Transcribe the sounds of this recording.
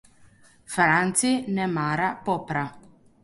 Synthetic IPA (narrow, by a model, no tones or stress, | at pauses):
fɾant͡sinɛmaɾapɔpɾa